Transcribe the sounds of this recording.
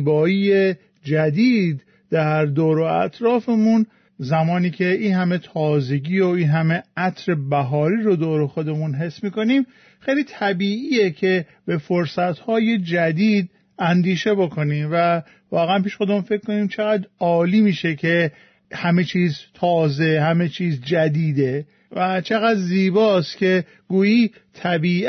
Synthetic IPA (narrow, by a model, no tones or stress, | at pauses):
bɒːiːje | d͡ʒæd̪iːd̪ː | æɾd̪oːɾoæ̰t̪ʰɾɒːfe̞mun | zæmɒːniːcʰe̞iːnhæme̞t̪ʰɒːze̞ɟiːoiːnɦæmeæt̪ʰɾe̞bæɦɒːɾiːɾod̪oːɾoxo̞d̪e̞munɦe̞sːmiːko̞niːm | xejliːt̪ʰæbiːʔiːjecʰe̞ | be̞foɾsæt̪hɒːje̞d͡ʒæd̪iːd̪ | ænd̪iːʃe̞bo̞kʰoniːmvæ | vɒːɣeænpiːʃxo̞d̪e̞munfe̞kkːo̞niːmt͡ʃʰe̞ɣæd̪ɒːliːmiːʃecʰe̞ | hæme̞t͡ʃʰiːzt̪ʰɒːze̞hæme̞t͡ʃʰiːzd͡ʒæd̪iːd̪e̞ | væt͡ʃʰe̞ɣæd̪ziːbɒːst̪cʰe̞ | ɡuːiː | t̪ʰæbiː